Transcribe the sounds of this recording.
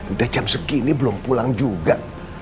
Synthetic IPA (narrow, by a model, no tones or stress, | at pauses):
idad͡ʒamsəkinibəlʊmpulaŋd͡ʒuɡaʔ